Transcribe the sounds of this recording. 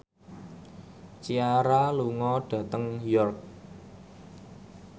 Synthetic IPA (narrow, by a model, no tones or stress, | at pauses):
t͡ʃiaɾaluŋɔɖ̥ä̤t̪əŋjɔrk̚